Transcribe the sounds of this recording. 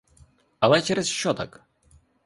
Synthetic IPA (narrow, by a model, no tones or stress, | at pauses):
ɐlˠɛt͡ʃɛɾɛsʃt͡ʃːɔt̪ak